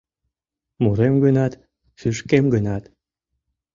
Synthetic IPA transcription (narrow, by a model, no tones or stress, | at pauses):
muɾemɡənɑt̪ | fyʃkemɡənɑt̪